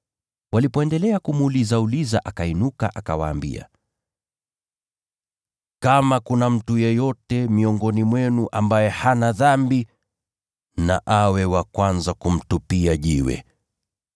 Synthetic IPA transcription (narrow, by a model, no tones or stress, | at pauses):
walipɔɛndɛlɛakumuuːlizauliza̰ʔakainuka̰ʔakawa̰ːmbḭa̰ | kamakunam̩tujɛjɔtɛmiɔŋɡɔnimwɛnuʔambajɛhanaðambi | na̰ʔawɛwakwanzakum̩tupiaʄiwɛ̰